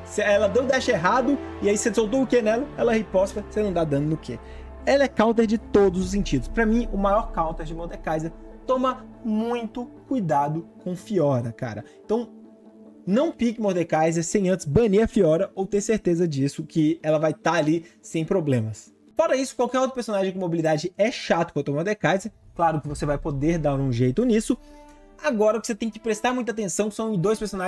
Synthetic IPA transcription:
sɪɛlɐd̪ẽw̃d̪ɛʃeɦad̪ʊɪaisesowt̪̬oʊkenɛlɐɛlɐɛhepɔst̪ɾɐsenɐ̃w̃d̪ad̪ɐ̃nd̪ʊnʊkʰe | elɛkawt̪eɾd͡ʒɪt̪od̪ʊzʊs̬ẽt͡ʃid̪ʊspɾɐmĩʊmajɔɾkawt̪eɾd͡ʒɪmoɾd̪ekajzeɾt̪õmɐmũj̃t̪ʊkujd̪ad̪ʊkõw̃fiɔɾɐka̰ɾɐẽnt̪ɐ̃w̃ | nɐ̃w̃pikɪmoɾd̪ekajzeɾsẽj̃ɐ̃tt͡ʃ̪ɪzbɐ̃niɐfiɔɾɐowt̪eɾseɾt̪ezɐd͡ʒisʊkɪɛlɐvajt̪aalisẽj̃pɾoblẽmɐs | fɔɾɐisʊ̥kwawkɛɾowt̪ɾʊpeɾsõnaʒẽkõmobilid̪ad͡ʒɪɛʃat̪ʊ̥kɐ̃d̪moɾd̪ekajzeɾklaɾʊkɪvosevajpod̪eɾd̪alʊũʒejt̪ʊnisʊ | aɡɔɾɐʊkɪ̥set̪ẽj̃kɪ̥pɾest̪aɾmũj̃t̪at̪̬ẽsɐ̃w̃sɐ̃w̃ɪ̃d̪ojspeɾsona

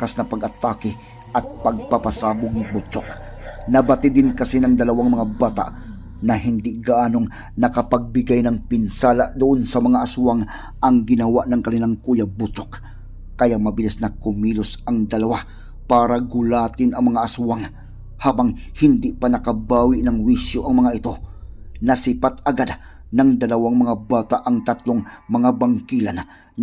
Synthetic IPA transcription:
kasnɐpɐɡɐt̪ːaːkɪ | ʔɐt̪̚pɐɡ̚papasaːbʊɡ̚nɐbʊt͡ʃok̚ | nɐbɐt̪ɪd̪ɪnkɐsinɐŋd̪ɐlɐwaŋmɐŋabaːt̪a̰ʔ | nɐɦɪnd̪ɪɡaʔaːnoŋ | nɐkɐpɐɡ̚bɪɡajnɐŋpɪnsaːlaʔd̪ʊʔonsɐmɐŋaʔɐsuwaŋ | ʔɐŋɡɪnɐwaʔnɐŋkɐnɪlaŋkuːjabʊt͡ʃok | kɐjamɐbɪlɪsnɐkʊmiːlʊsʔɐŋd̪ɐlɐwa | paːɾɐɡʊlaːt̪ɪnɐŋmɐŋaʔːsuwaŋ | haːbaŋhɪnd̪ɪpanɐkɐbaːwɪʔnɐŋwisjoʔɐŋmɐŋaʔɪt̪o̞nɐsɪpat̪̚ɐɡad̪̚nɐŋd̪ɐlɐwaŋmɐŋabaːt̪aʔɐŋt̪at̪loŋmɐŋabaŋkilan

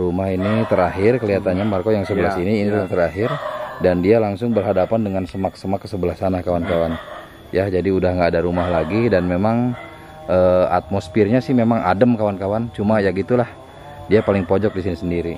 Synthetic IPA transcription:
rumahinit̪əɾaɦɪrkəliɦat̪anɲamarkojaŋsəbəlasiniːnilaŋt̪əɾaɦɪrdandialaŋsʊŋbərɦadapandəŋansəmaksəmaksəbəlahsanahkawankawan | jad͡ʒadiudahŋɡaːdaɾumahlaɡidanmemaŋ | ʔəːa̰t̪̚mosfɪrɲasɪhmemaŋa̰dəmkawankawant͡ʃumajaɡit̪ulah | diapalɪŋpod͡ʒɔk̚disinisəndiɾi

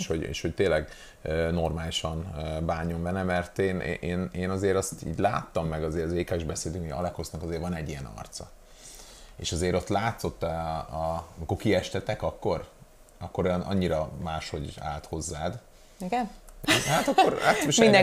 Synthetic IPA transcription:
ʃhoɟḛːʃho̞c̚t̪eːlɛɡ | øːno̞rmaːliʃɒnbaːɲo̞ɱbɛnɛmɛrt̪eːnʔḛːʔeːneːnɒzeːɾɒst̪ḭːɟla̰ːt̪ːɒmːɛɡɒzeːɾzeːkɛʒbɛseːd̪yŋkɒ̰lɛkhosnɒkɒzeːrvɒnɛɟːijɛnɒ̰rt̪sɒ̰ | ḛːʃɒzeːɾo̞t̪laːt̪so̞t̪ːɛ | mikokiɛʃt̪ɛt̪ɛkɒkːo̞r | ɒkːo̞ɾojɒnʔɒ̰ɲːiɾɒmaːʃho̞ɟa̰ːlt̪ho̞zːaːd̪ | iɡɛhat̪ɒkːoɾat̪ʃid̪

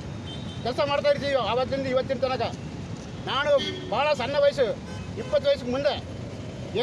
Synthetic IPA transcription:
k̪ɐsɐmɐɽɐt̪̬ːaːɪɾt̪̬ːijoɐʋɐk̪ːɪnd̪ɯɪʋɐt̪ːɪnt̪ɐnɐkːɐ | naːnɯbaːlɐsɐnːɐʋɐjɐs̬ɯ | ɪpːɐt̪ːɯʋɐjs̬ɯkːɯmʊnd̪ɐ | eː

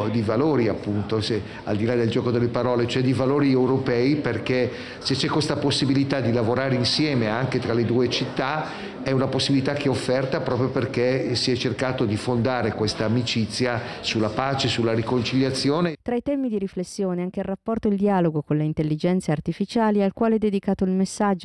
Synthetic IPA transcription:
d̪ivaloːɾiapːunt̪ose | a̰ld̪ilad̪eld͡ʒɔːkod̪elːepaɾɔːlet͡ʃoɛd̪ivaloːɾiewɾopɛːiperke | set͡ʃːɛkwest̪aposːibilit̪ad̪ilavoɾaːɾeinsjɛːmeaŋket̪ɾaled̪uːet͡ʃit̪ːa | ɛunaposːibilit̪ak̟eɛofːɛrt̪apɾɔːp̬ɾjoperkesiɛt͡ʃːerkaːt̪od̪ifond̪aːɾekwest̪aːmit͡ʃit̪sːjasulːapaːt͡ʃesulːaɾikont͡ʃiʎːjat̪sːjoːnet̪ɾait̪ɛmid̪iɾiflesːjoːneaŋk̟eilrapːɔrt̪oild̪iaːloɡokonleint̪elːid͡ʒɛnt̪saːrt̪ifit͡ʃaːlialkwaːleɛd̪ːed̪ikaːt̪oilmesːad͡ʒːo

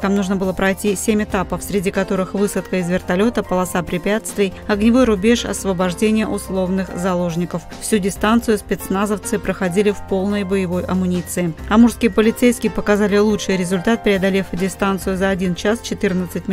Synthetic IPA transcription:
t̪amnuʐnəbɨlˠəpɾɐjtʲisʲemʲɪt̪apəfsʲɾʲɪdʲikɐt̪o̞ɾɨxvɨsət̪kəɪzvʲɪrt̪ɐlʲo̞t̪əpəlˠɐsapɾʲɪpʲat̪st̪vʲɪj | ɐɡnʲɪvojɾʊbʲe̞ʂɐ̰svəbɐʐdʲenʲɪjəʔʊslˠo̞vnɨxzɐlˠo̞ʐnʲɪkəffsʲudʲɪst̪ant̪sɨjʊspʲɪt̪snazəft̪sɨpɾəxɐdʲilʲɪfpo̞lˠnəjbəjɪvo̞jʔɐ̰mʊnʲit̪sɨɪɐmurskʲɪjəpəlʲɪt̪sejskʲɪjəpəkɐzalʲɪlˠutʂɨjɾʲɪzʊlʲt̪at̪̚pʲɾʲɪɐd̪ɐlʲefdʲɪst̪ant̪sɨjʊzɐɐdʲint͡ɕast͡ɕɪt̪ɨrnət̪sɨt̚ʲ

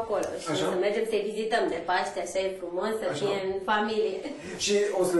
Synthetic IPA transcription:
kolo̰ʃisəmerd͡ʒemsəevizit̪əmd̪epaʃt̪eaʃejskumonsəfieɨnfamilie | ʃios

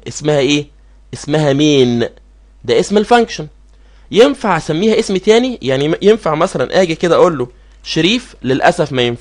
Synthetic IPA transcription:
ʔesmæhæʔeː | ʔesmæɦæmeːn | d̪æʔesmelfæŋkʃon | jenfaʕsæmːiːhæʔesmt̪æːnijaʕnijenfaʕmæsælɑnʔæːɡæked̪æʔoːlːo | ʃeɾiːflelʔæsæfmæjenf

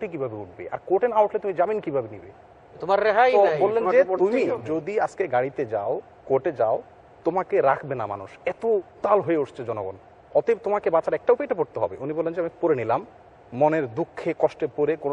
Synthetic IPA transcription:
oʈek̬ibʱabeuʈ̚ʰbḛʔa̰ɾkoʈenawʈlet̪umid͡ʑaminkibʱabenibḛ | t̪omaɾːeɦajbolːend͡ʑeumid͡ʑod̪iad͡ʑkeɡaɽit̪ed͡ʑao | koʈed͡ʑao | t̪omakeɾakʰbenama̰nuʃɛt̪ot̪alɦoeoʃt͡ɕʰed͡ʑɔnoɡɔ̰n | ɔt̪et̪omakebat͡ɕaɾɛk̚ʈaupejʈapoɾt̪eɦɔ̰beʔunibolːend͡ʑeamipoɾenilamː | oneɾd̪ukʰːekɔʃʈepoɾekon

